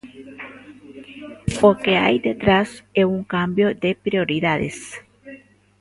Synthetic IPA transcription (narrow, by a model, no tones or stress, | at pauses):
okea̰jd̪et̪ɾaseuŋkambjod̪epɾioɾiðaðḛs